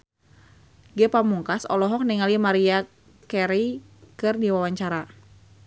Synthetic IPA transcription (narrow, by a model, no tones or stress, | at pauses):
ɡɛpamuŋkasɔ̰lɔɦɔk̚niŋalimaɾia | kɛɾi | kɨrdiwawaɲt͡ʃaɾa